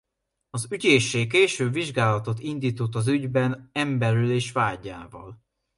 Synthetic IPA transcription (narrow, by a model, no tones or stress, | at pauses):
ɒzyɟeːʃeːkeːʃøːbviʒɡaːlɒt̪o̞t̪ind̪iːt̪ot̪ːɒzyɟbɛnɛmbɛɾyleːʃvaːɟːa̰ːvɒ̰l